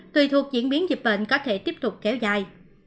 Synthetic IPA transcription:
t̪wi˨˩t̪ʰu˨˩ək̚zḭ˧˥ənɓi˨˦ənzi˨˩p̚ɓḛ˧˨nkɔ˨˦t̪ʰe˧˩t̪i˦˥əp̚t̪ʊ˨˩k͡p̚kɛ˨˦wzaː˨˩j

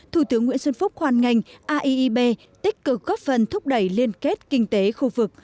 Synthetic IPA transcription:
t̪ʰu˧˩t̪ɨ˨˦əŋːwḭ˧˥ənsə˧nfʊ˦˥k͡p̚xwaː˨˧˩nŋa˨˩jŋ̟ʔaː˧ʔi˧ʔi˧ɓe˧ | t̪ï˦˥k̟̚kɨ˨˩k̚ɣɔ˦˥p̚fə˨˩nt̪ʰʊ˦˥k͡p̚ɗə˧˩jli˧ənke˦˥t̚kï˧ŋ̟t̪e˨˦xu˧vɨ˨˩k̚

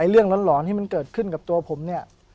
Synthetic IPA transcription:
jlɯ˥˩əŋlɔ˧˦˥nlɔː˩˦nt̪ʰiː˥˩ma˧nkɤː˨˩t̪̚kʰɯ˥˩nka˨˩p̚t̪u˧ɐpʰo˩˦mni˥˩ɐ

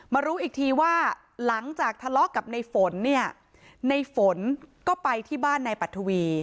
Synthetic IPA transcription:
maː˧ɾuː˦˥ʔiː˨˩k̚t̪ʰiː˧waː˥˩ | la˩˦ŋt͡ɕaː˨˩k̚t̪ʰa˧lɔ˦˥ka˨˩p̚na˧jfo˨˩˦nːi˥˩ɐ | na˧jfo˨˩˦nkɔː˥˩pa˧jt̪ʰiː˥˩baː˥˩nːa˧jpa˨˩t̪ʰːu˧wiː˧

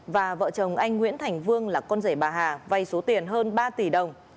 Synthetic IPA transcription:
vaː˨˩və̰ː˧˨t͡ɕə˨˩wŋ͡mʔa˧jŋ̟ŋwḭ˧˥ənt̪ʰa˨˩jŋ̟vɨ˧əŋlaː˨˩kɔ˧nzə˧˩jɓaː˨˩ɦaː˨˩va˧jso˨˦t̪i˨˩ənɦəː˧nɓaː˧t̪i˧˩ɗə˨˩wŋ͡m

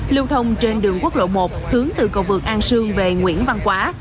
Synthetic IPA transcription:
li˧wt̪ʰə˧wŋ͡mt͡ɕe˧nɗɨ˨˩əŋku˦˥k̚lo̰˧˨mo˨˩t̚hɨ˨˦əŋt̪ɨ̰˧˨˩kə˧wvɨ˨˩ək̚ʔaː˧nsɨ˧əŋve˨˩ŋwḭ˧˥ənva˧nkwaː˨˦

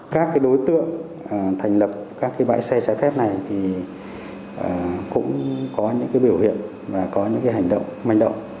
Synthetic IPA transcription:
kaː˦˥kːaː˨˦jɗo˨˦jt̪ɨ̰˧˨əŋ | ʔəː˨˩t̪ʰa˨˩ŋ̟lə˨˩p̚kaː˦˥kːaː˨˦jɓa̰ː˧˥jsɛ˧t͡ɕaː˧˦fɛ˦˥p̚na˨˩jt̪ʰi˨˩ | ʔəː˨˩kʊ̰˧˥ŋ͡mkɔ˨˦ɲɨ̰˧˥ŋkaː˨˦jɓəwhḭ˧˨ən | vaː˨˩kɔ˨˦ɲɨ̰˧˥ŋkaː˨˦jɦa˨˩jŋ̟ɗə̰˧˨wŋ͡mma˧˩jŋ̟ɗə̰˧˨wŋ͡m

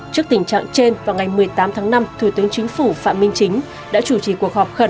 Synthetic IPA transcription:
t͡ɕɨ˦˥ək̚t̪ï˨˩ŋ̟t͡ɕa̰ː˧˨ŋt͡ɕe˧nvaː˨˩wŋa˨˩jmɨ˨˩əjt̪aː˨˦mt̪ʰaː˨˦ŋna˧mt̪ʰu˧˩t̪ɨ˨˦əŋt͡ɕï˨˦ŋ̟fu˧˩fa̰ː˧˨mï˧ŋ̟t͡ɕï˨˦ŋ̟ | ɗa̰ː˧˥t͡ɕu˧˩t͡ɕi˨˩ku˨˩ək̚hɔ˨˩p̚xə˧˩n

